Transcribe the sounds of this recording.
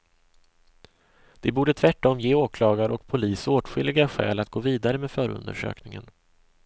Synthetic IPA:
d̪̥ɛbuːɖət̪ʰvæʈːɔmjeːoːkʰlɑːɡaɾʔɔkpʰʊliːsoːʈɧʏlːɪɡaɧɛ̰ːlat̪̚ɡoːviːd̪aɾəmeːd̪fœːɾɵ̰nd̪ə̰ʂø̰ːknɪŋə̰n

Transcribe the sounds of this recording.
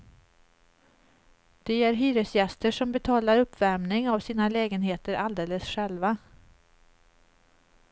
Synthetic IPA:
d̪̥ɛæɾɦyːɾəsjɛst̪əʂɔmbɛt̪ʰɑːlaɾɵpːvæɾmnɪŋavsiːnalɛːɡənɦeːt̪əɾʔald̪eːləsɧɛlva

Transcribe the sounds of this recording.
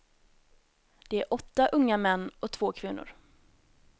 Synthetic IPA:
d̪̥ɛæɾʔɔt̪ːaʔɵŋːamɛnːɔt̪ʰv̥oːkʰvɪnːʊ̰ɾ

